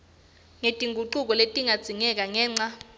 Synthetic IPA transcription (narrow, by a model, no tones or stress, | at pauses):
ŋetʼiŋɡʱuǃuk̬ɔletʼiŋad̥z̥ʱiŋɛk̬ʼaŋɛːŋ͡ǀa